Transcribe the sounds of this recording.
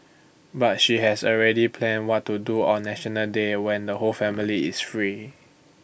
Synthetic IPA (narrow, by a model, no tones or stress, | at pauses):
bat̚ʃiɦɛsɔlɹɛdipʰlɛ̃nwɔtːuduɔ̃nːɛʃənəldewɛ̃ndəholfɛ̃miliɪsfɹi